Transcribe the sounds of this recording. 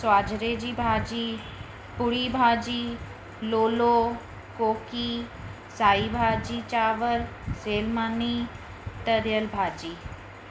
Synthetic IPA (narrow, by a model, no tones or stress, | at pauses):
saːd͡ʒɾeːd͡ʒiːbʱaːd͡ʒiː | pʊɽiːbʱaːd͡ʒiː | loːloː | koːki | saːibʱaːd͡ʒiːt͡ʃaːʋəlseːlmani | t̪əɾjəlbʱaːd͡ʒiː